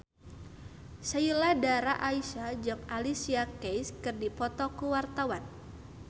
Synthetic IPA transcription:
sajuladaɾaʔaisad͡ʒɔkalisiakejskɨrdipɔt̪ɔkuwart̪awan

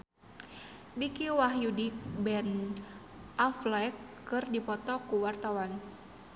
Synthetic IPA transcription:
bikiwaɦjudik̚bɛn | ʔaflɛkː | ɨrdipɔt̪ɔkuwart̪awan

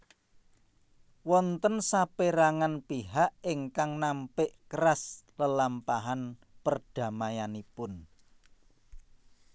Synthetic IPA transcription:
wɔnt̪ənsapeɾaŋanpiɦaʔiŋkaŋnampɪʔkəɾasləlampaɦanpərd̥a̤majanipʊn

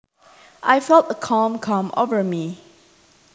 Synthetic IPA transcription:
ʔajfɛlˠtəkʰɔ̃mkʰãmo̰vəmi

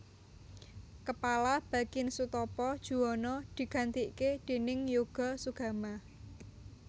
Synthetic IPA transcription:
kəpalab̥ä̤kɪnsut̪ɔpɔd̥ʒ̥ṳɔnɔd̪̥i̤ɡ̥a̤nt̪iʔked̪̥e̤nɪŋjuɡ̥ɔ̤suɡ̥a̤ma

